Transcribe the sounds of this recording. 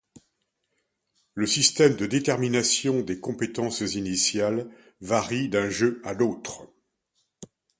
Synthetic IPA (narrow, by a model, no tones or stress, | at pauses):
ləsist̪ɛmd̪əd̪et̪ɛʁminasjɔ̃d̪ekɔ̃pet̪ɑ̃szinisjal | vaʁid̪ɛ̃ʒøad̪ot̪χ